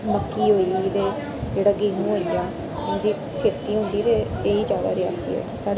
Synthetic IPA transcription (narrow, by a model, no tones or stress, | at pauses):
məkːiːɦoːiːt̪eː | d͡ʒeːɽaːɡeːnũːoːiːaː | ẽnd̪iː | kʰeːt̪iːɦʊ̃nd̪iːt̪eːeːiːd͡ʒjaːd̪a̰ːɾɪja̰ːsḭːɛ̰ːsaː